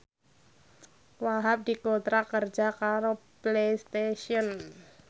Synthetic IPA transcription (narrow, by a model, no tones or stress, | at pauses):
waɦap̚dikot̪ɾakərd͡ʒakaɾoplejst̪eʃiɔn